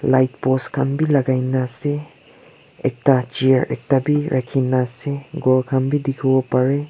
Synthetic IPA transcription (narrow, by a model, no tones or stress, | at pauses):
lajt̚pɔskʰɐmbilɐɡajnase | ek̚tat͡ʃiɾḛk̚tabiɾʔakʰːinaseɡoɾkʰɐmbidikʰubɐpaɾe